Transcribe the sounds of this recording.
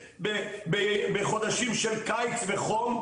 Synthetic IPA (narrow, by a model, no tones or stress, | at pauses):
bebebeχo̞d̪aʃimʃelkajt͡sveχom